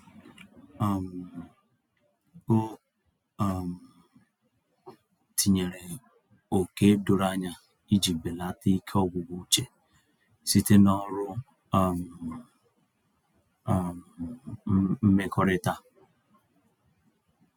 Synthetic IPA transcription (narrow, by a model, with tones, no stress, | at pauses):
m˨ | o˦˨ | m̩˨ | tʰi˨ɲe˨ɾe˨ | o˨ke˦dʊ˨ɾa˦ɲa˦ | i˦d͡ʒi˨be˨la˦ti˦kʰe˦ɔ˦ɡʷʊ˨ɡu˦t͡ʃe˨ | si˦te˦nɔ˦ɾʊ˦˨ | m˨ | m˨˦ | m̩˦me˦kɔ˦ɾɪ˦ta˦